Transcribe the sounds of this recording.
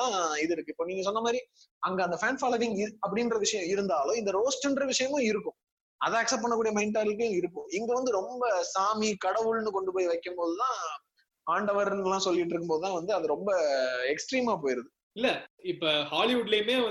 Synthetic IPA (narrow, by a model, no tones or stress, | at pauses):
ãːɪðɯɪɾɯkːɯɪpːoːniːŋɡɐs̬ɔnːɐmaːd̪ɾi | ɐŋɡɐɐnd̪ɐfaːnfaːlɐʋɪŋɪɐpːɐɽɪndrɐʋɪʂɐjɐ̃ɪɾɯnd̪aːlʊ̃ɪnd̪ɐɾoːsʈɪndrɐʋɪʂɐjɐmʊ̃ɪɾɯkːʊ̃ | ɐðãːɐksɐp̚pːɐɳːɐkːuːɽijɐmɐɪnʈaːɾlkːɯjʊ̃ɪɾɯkːʊ̃ɪŋɡɐʋɐnd̪ɯɾɔmbɐsaːmikɐɽɐʋɯɭnɯkɔɳɖɯpoːjiʋɐɪkːɯmpoːðɯt̪ãː | aːɳɖɐʋɐɾnlːãːsɔlːɪʈːɾɯkːɯmpoːðɯt̪ãːʋɐnd̪ɯɐðɯɾɔmbɐɛksʈɾiːmaːp̬oːjɪɾɐðɯ | ɪlːɐɪpːoːhaːlɪʋʊɖlejmeːɐ